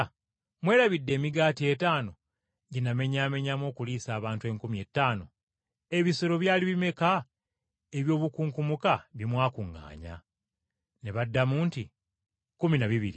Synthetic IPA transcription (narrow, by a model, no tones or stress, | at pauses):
mwe̞ːɾaβidːe̞ːmiɡaːtie̞taːno̞ | ɟiname̞ɲaːme̞ɲamo̞ːkuliːsaːβaːntwe̞ːŋkumie̞ːtːaːno̞ | e̞βisoɾo̞βjaːliβime̞ka | e̞βjo̞ːβukuːŋkumukaβimwaːkuŋːa̰ːɲa̰ | neβadːamuːnti | kuminaβiβḭɾi